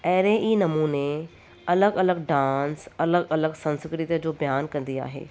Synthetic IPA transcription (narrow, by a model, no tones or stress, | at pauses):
ɐɦɾeʔiːnɐmuːne | ɐləɡɐləɡɖãːnsɐləɡɐləɡsɐ̃nskɾɪt̪jəd͡ʑoːbɐjaːnkɐ̃nd̪ia̰ːɦḛː